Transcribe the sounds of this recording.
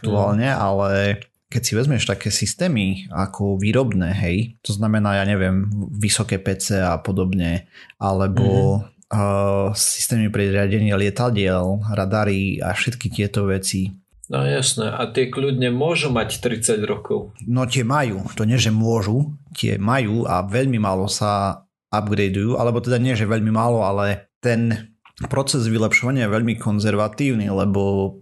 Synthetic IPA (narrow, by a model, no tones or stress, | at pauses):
ak̚t̪uaːlɲɛʔalɛ | kɛcsiʋɛzmɪɛʃt̪akɛːsist̪ɛːmiakʰɔʋiːɾɔbnɛːɦɛjt̪ɔznamɛnaːjaːɲɛʋɪɛmʋisɔkɛːpɛt͡sɛapɔd̪ɔbɲɛʔalɛbɔ | si̥st̪ɛːmipɾɛɾɪaɟɛɲɪɛlɪɛt̪aɟɪɛlɾad̪aɾia̰fʃɛt̪kit̪ɪɛt̪ɔʋɛt͡si | nɔ̰jasnɛʔat̪ɪɛkludɲɛmʊɔʒumact̪ɾit͡saɟɾɔkɔʊnɔc̪ɪɛmajuːt̪ɔɲɪɛʒɛmʊɔʒuc̪ɪɛ̰majuːa̰ʋɛʎmimaːlɔsa | abɡɾɛjd̪ujuːʔa̰lɛbɔt̪ɛd̪aɲɪɛʒɛʋɛʎmimaːlɔalɛt̪ɛnpɾɔt͡sɛzʋilɛpʃɔʋaɲɪajɛʋɛʎmikʰɔnzɛɾʋat̪iːʊnilɛbɔ